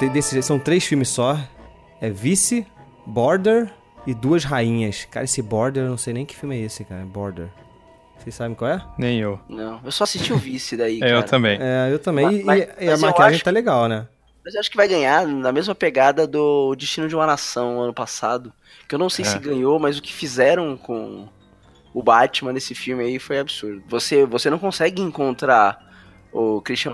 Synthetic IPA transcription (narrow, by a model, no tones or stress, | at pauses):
t̪ẽd̪esɪesɐ̃w̃t̪ɾejsfimɪssɔ | ɛvisɪ | bɔɾd̪eɾ | ɪd̪uɐzɦaĩɲɐska̰ɾɐesɪbɔɾd̪eɾewñw̃sejnẽj̃kɪ̥fiwmɪɛisɪkaɾɐɛbɔɾd̪ḛɾ | sejssabẽkwawɛnẽj̃ewnɐ̃w̃ewsɔsiʃt͡ʃiʊvisɪd̪aikɛewɾɐɐ̃mbẽj̃ɛewt̪ɐ̃mbẽj̃ɪamakiaʒẽj̃t̪aleɡawnɛ | mɐzewaʃʊ̥kɪvajɡɐ̃ɲanɐmezmɐpeɡad̪ɐd̪ʊd͡ʒist͡ʃĩnʊd͡ʒɪũmɐnasɐ̃w̃ɐ̃nʊpasad̪ʊ | kɪewnɐ̃w̃sejsɪɡɐ̃ɲomɐzʊkɪ̥fizɛɾɐ̃w̃kõ | ʊbat͡ʃɪmɐ̃nesɪfiwmɪaifojabɪsuɾd̪ʊvosevosenɐ̃w̃kõsɛɡɪẽkõnt̪ɾa | ʊkɾiʃt͡ʃiɐ̃